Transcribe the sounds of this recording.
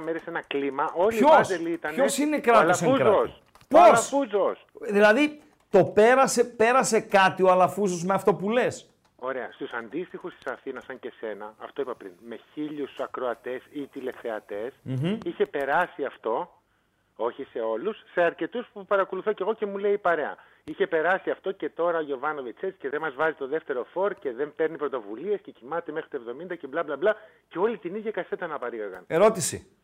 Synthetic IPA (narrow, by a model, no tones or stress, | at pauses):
meɾesenɐklimɐʔo̞ʎçioselit̪ɐnçosinekɾɐt̪oɐseuzɾos | poɐsfuzosðilɐði | t̪o̞pe̞ɾɐse̞pe̞ɾɐse̞kɐt̪ioɐlɐfuzozmeɐft̪o̞pule̞s | o̞ɾe̞ɐst̪usɐnd̪ist̪ixust̪i̥sɐθinɐsːɐɲce̞se̞nɐːft̪o̞ipɐpɾḭnme̞çiʎusɐkɾo̞ɐt̪e̞sit̪ile̞fθe̞ɐt̪e̞sm̩içe̞pe̞ɾɐsiɐft̪o̞ | o̞çise̞o̞lusːe̞ɐɾce̞t̪uspupɐɾɐko̞luθo̞ce̞ɣo̞ce̞mule̞ipɐɾe̞ɐ̰ | içe̞pe̞ɾɐsiɐft̪o̞ce̞t̪o̞ɾɐoʝo̞vɐno̞vet͡set͡si̥ce̞ðemɐzvɐzit̪o̞ðe̞ft̪e̞ɾo̞fo̞ɾce̞ðe̞mpe̞ɾnipɾo̞t̪o̞vulie̞sce̞cimɐt̪e̞mexɾit̪oevðo̞mind̪ɐceblɐblɐblɐ | ce̞o̞lit̪iniðʝɐkɐse̞t̪ɐnɐpɐɾiɣɐɾɣɐ̰neɾo̞t̪isḭ